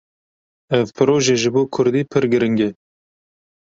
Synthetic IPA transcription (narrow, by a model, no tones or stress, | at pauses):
ɛvpʰɨɾoːʒeːʒɪboːkʰʊɾd̪iːpʰɨɾɡɪɾɪŋɡe